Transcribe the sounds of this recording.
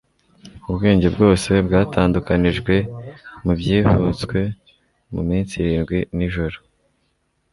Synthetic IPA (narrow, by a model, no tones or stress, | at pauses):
uβɡe̞ːɲɟe̞bɡo̞ːse̞bɡaːtaːndukaniʒɡwe̞mubjiːvut͡skwe̞ | mṵmiːnt͡siɾiːnɡwiniʒoɾo